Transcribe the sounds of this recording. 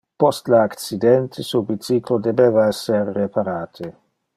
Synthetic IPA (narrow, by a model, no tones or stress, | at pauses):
pɔst̪laak̪t͡sid̪ɛnt̪ʰesubit͡siːklod̪ebeːvaɛsːerːepʰaɾaːt̪ʰe